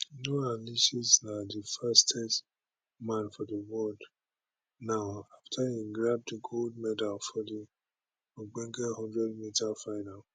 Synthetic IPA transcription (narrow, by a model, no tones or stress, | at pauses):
noaliʃisnadifastʰɛs | mãnfɔdəwɔld | naʊaftʰahiɡɹab̚diɡʰold̚mɛdalfɔdi | oɡ͡bɛ̃ŋkɛhɔ̃ndɹɛd̚mitafaɪnal